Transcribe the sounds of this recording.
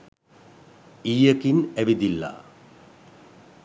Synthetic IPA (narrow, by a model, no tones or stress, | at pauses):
iːjəkinæʋid̪ilːa̰